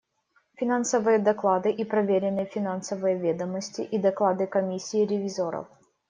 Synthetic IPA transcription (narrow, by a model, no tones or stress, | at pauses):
fʲɪnansəvɨjəd̪ɐklˠad̪ɨʔipɾɐvʲeɾʲɪnːɨjfʲɪnansəvɨjəvʲed̪əməsʲtʲɪ̰ʔid̪ɐklˠad̪ɨkɐmʲisʲːɪːɾʲɪvʲɪzoɾə̰f